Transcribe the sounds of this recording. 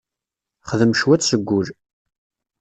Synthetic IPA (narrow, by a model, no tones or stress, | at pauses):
χəðəmʃwæt͡sːsəɡʷːʊl